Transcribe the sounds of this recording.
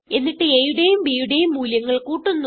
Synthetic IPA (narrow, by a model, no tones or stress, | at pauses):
e̞nːiʈːɨeːjuɽe̞jumbiːjuɽe̞jumːuːljɐŋːɐɭkuːʈːunːu